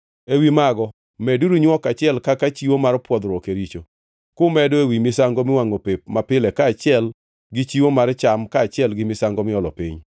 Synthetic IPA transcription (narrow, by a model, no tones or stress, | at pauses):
ewimaɡɔ | mɛduɾuɲwɔkat͡ʃɪɛlkakat͡ʃiwomarpwɔd̪ɾɔkeɾit͡ʃo | kʊmɛdoewimɪsaŋɡomɪwaŋopep̚mapɪlɛkaːt͡ʃɪɛl | ɡɪt͡ʃiwomart͡ʃamkaːt͡ʃɪɛlɡɪmɪsaŋɡɔmɪɔlɔpḭɲ